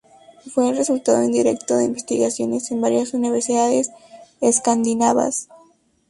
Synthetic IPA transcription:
fwe̞ːlre̞sult̪aðoend̪iɾe̞̰kt̪oðe̞̰imbest̪iɣasjo̞ne̞se̞mbaɾjasuniβeɾsiðaðeseskand̪inaβa̰s

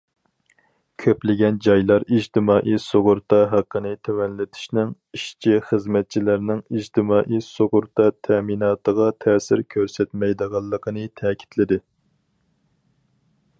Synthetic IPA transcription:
kʲʰøplɪɡʲɛnd͡ʒɑjlˠɑɾid͡ʒt̪ʰɪmɑːʔisoʁʊɾt̪ɑɦæqːənɨt̪ʰɛwɛnlɪt̪ʰɪ̥ʃnɪŋ | iʃt͡ʃʰiχəzmɛt̪̚t͡ʃʰilæɾnɪŋid͡ʒt̪ʰɪmɑːʔisoʁʊɾt̪ʰɑt̪ʰɛminɑːt̪əʁɑt̪ʰɛːsɪɾkʲʰøɾsɛt̪mɛjd̪əʁɑlˠːəqʰənɨt̪ʰɛkʲʰi̥t̪ʰlɪd̪ɪ

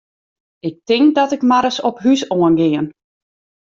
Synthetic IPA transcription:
ɪk̚tɪŋk̚dɔtɪkmaɾəsɔpɦysoənɡɪən

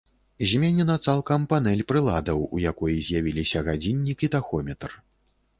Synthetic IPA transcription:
zʲmʲenʲɛnɐt̪salˠkɐmpanɛlʲpɾɨlˠad̪ɐwṵjakɔjizʲjavʲilʲisʲɐɣad͡zʲinʲːikit̪axɔmʲɛt̪r

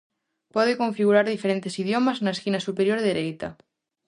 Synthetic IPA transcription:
poð̞ekoɱfiɣ̞uɾaɾðifeɾent̪esiðjomaznaeskinasupeɾjoɾðeɾejt̪a

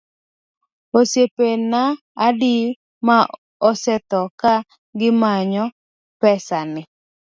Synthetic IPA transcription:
osjepenaː | di | ma | ɔsɛt̪ɔka | ɡɪmaɲɔ | pɛsanɪ

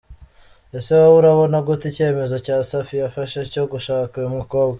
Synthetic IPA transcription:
ese̞wauɾaβo̞naɡutice̞me̞zo̞caːsafijafaʃeco̞ɡuʃaːkiumiko̞ːbɡa

